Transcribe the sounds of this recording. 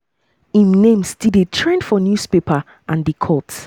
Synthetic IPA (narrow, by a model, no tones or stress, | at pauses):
ĩmnẽmsdidetʰɹẽndfɔnjuspepa | ʔãndikʰɔt